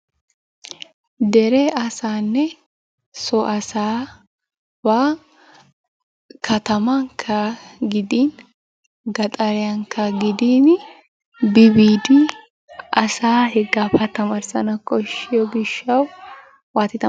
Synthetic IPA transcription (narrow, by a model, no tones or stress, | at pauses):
d̪ɛɾɛɐsaːnːɛ | sɔʔɐsaː | baː | kʰɐt̪ɐmɐŋkʰːɐɡɪd̪iːn | ɡɐt̪ʼɐɾɛjɐŋkʰːɐɡɪd̪iːn | bɪbiːd̪ɪ | ɐsaːhɛɡːaːpʰɐt̪ɐmɐɾsɐnɐkʼɔʃɪjɔɡɪʃːɐw | waːt̪ːɪt̪ɐ